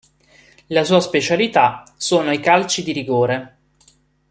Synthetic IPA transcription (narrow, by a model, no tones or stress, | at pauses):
lasuːaspet͡ʃalit̪asoːnoikalt͡ʃid̪iɾiɡoːɾe